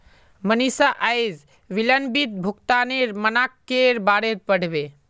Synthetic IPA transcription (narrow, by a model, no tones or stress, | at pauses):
mənisaʔəjd͡ʒ | ʋilənbit̪̚bʱukt̪aneɾmənakːeɾbaɽeɾ̚pəɽ̤be